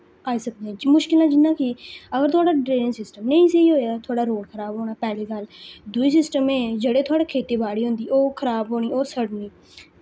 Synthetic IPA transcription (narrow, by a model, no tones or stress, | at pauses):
aːiːsək̚d̪ẽːmʊʃkɪlãːd͡ʒɪnːãːkiəɡəɾt̪ʰʊaːɽaːɖɾeːnɪŋsɪsʈəmnẽːĩːsəiːɦoːjaːt̪ʰʊaːɽaːɾoːɽkʰəɾaːbɦoːɽ̃aːpɛːleːkəld̪ʊiːsɪsʈəmẽːd͡ʒəɽeːt̪ʰʊaːɽeːkʰeːt̪eːbaːɽiːɦʊ̃nd̪iːoːkʰəɾaːbɦoːɽ̃iːoːsəɽniː